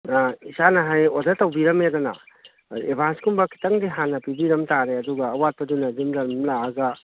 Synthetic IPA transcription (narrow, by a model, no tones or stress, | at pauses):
aisanɐɦajodɐtɐwbiɾɐmedɔnɐ̰ | ebanskumbɐkʰi̥tɐŋdiɦanːɐpibiɾɐmtaɾeɐduɡɐːwat̚pɐdunɐdimɾɐɾmlaːɡɐ